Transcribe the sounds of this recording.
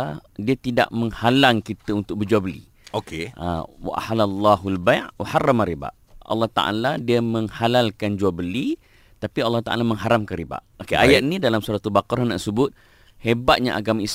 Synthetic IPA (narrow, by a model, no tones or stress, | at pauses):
diət̪ida̰ʔməŋhalaŋkit̪əunt̪ʊk̚bəd͡ʒuabəlḭ | okea̰wa̰ʔa̰ħalalˤːɑɦalbajʔwaharːamaɾiba̰ʔ | ɑ̰lːɑht̪a̰ʔa̰ladiəmə̃ŋhalalkand͡ʒuabəli | t̪apiɑlːɑht̪a̰ʔa̰lamə̃ŋɦaɾamkanriba̰ʔokeajat̪̚inĩdalamsuɾat̪ubakaɾhna̰ʔsəbʊt̪̚ | hebat̪̚ɲa̰ʔa̰ɡamais